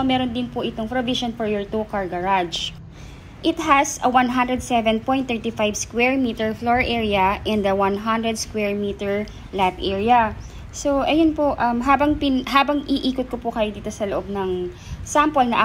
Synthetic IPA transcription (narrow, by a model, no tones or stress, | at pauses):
omɛːɾond̪ɪnpʊʔɪt̪oŋpɾoviʃonfɔɹjɔɹt̪ukɐɹɡɐɹad͡ʒ | ʔɪt̪ɦɐsɐwanɦand̪ɾɛd̪sɛvɛnpɔjnt̪ːɛɹt̪ifajvskwɛɹmiːt̪ɛɹfloɹʔɛɹiɐʔɛ̃nd̪ɐwanɦand̪ɾɛd̪skwɛɹmiːt̪ɛɹ | lapʔɛɹiɐ | soʔɐjʊnpoʔɐmɦaːbɐŋpɪnɦaːbɐŋʔiʔiːkʊt̪̚kopʊkɐjod̪iːt̪o̞sɐloʔob̚nɐŋ | sampolnɐʔ